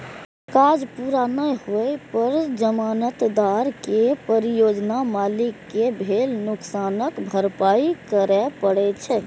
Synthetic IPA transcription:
kad͡ʒpuɾanəjhojpəɾd͡ʒəmanət̪d̪aɾkepəɾijod͡ʒnamalikːebʱelnuksanəkbʱəɾpaikəɾɛpəɽɛt͡ʃʰɛ

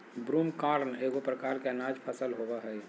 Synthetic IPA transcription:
bɾuːmkaːɾneɡopɾəkaːɾkenaːd͡ʒpʰəsəlɦobaɦɛj

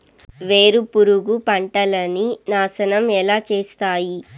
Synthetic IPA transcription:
ʋe̞ːɾupuɾuɡupɐɳʈɐlɐninaːsɐnɐmɛlaːt͡ʃeːst̪aːji

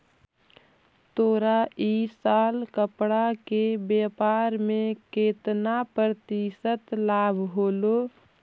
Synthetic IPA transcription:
t̪oːɾaiːsaːlkəpɽakebeːpaːɾmẽkeːt̪napɾət̪isət̪laːbʱɦoːlo

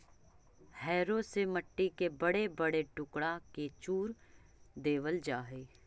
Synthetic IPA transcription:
hɛːɾosemɐʈːikebɐɽebɐɽeʈʊkɽaket͡ʃuːɾ | d̪eːʋəld͡ʒaːɦeː

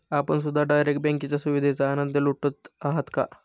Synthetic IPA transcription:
apəɳs̬ud̪ʱːaɖajɾekʈ̚bɛ̃ŋkit͡ɕjasuʋid̪ʱet͡saːnənd̪əluʈːət̪aɦət̪ka̰

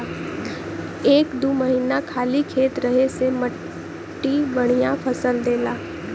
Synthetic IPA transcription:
eːkd̪uːməɦiːnakʰaːlikʰeːt̪ɾɐɦesemə | ʈːibəɽ̃ijãpʰɐsəld̪eːlaː

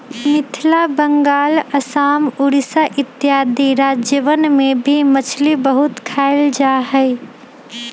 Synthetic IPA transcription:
mɪt̪ʰlabəŋɡaːləsaːmʊɾisaʔɪt̪ːjaːd̪iɾaːd͡ʒəʋənmẽbʱimət͡ʃʰlibəɦʊt̪kʰaːɪld͡ʒaɦɛɪ

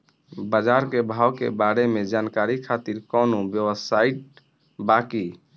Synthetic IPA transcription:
bəd͡ʒaɾkebʱaːwkḛbaɾemẽd͡ʒaːnkaɾikʰat̪iɾkɔːnobjəwəsaiʈ̚ | baki

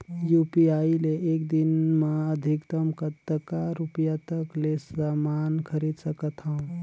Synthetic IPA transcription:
jupiaileʔekd̪inmaəd̪ʱikt̪əmkət̪ːəkaɾupjat̪əklesamankʰəɾid̪səkət̪ʰɦaũ

